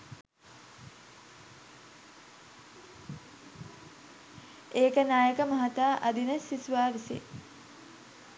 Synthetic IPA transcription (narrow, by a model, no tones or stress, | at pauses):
eːkənaːjəkəmɐɦat̪aːʔɐd̪inəsisuʋaːʋisḛ